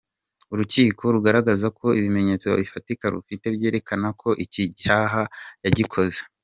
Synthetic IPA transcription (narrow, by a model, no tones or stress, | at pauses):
uɾuciːko̞ɾuɡaɾaɡazakʰo̞iβime̞ɲe̞ːt͡soa̰βifatikaɾṵfite̞βɟe̞ːɾe̞kanakʰo̞ʔiciaːɦajaɟikʰo̞ze